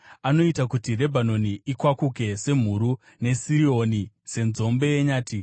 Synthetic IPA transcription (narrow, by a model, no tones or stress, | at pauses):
ano̞itakutire̞bʱano̞niʔikwakuke̞se̞m̤uɾu | ne̞siio̞ni | se̞nzo̞mbe̞jeɲaːti